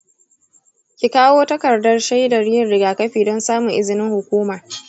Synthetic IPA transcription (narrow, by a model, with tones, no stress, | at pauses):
kʲɪ˨kaː˦woː˦tɐ˦kɐ˨rdɐ˦rʃa˦jda˨ɽɪ˦jɪ˨nɽɪ˦ɡaː˨kɐ˦ɸiː˨dɔ˦nsaː˦mu˨ʔɪ˦zɪ˨nɪ˦ŋhʊ˨kʷuː˦mɐ˨r